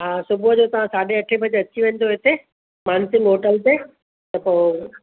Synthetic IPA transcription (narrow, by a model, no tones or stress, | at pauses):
ɦaːsʊbuəd͡ʑot̪ɐʋ̤ãsaːɗeɐʈʰebʱɐd͡ʑɐt͡ɕʰiʋẽːn̆d̪oɦet̪ʰe | maːnsimɦoːʈəlt̪e | t̪ɐpoː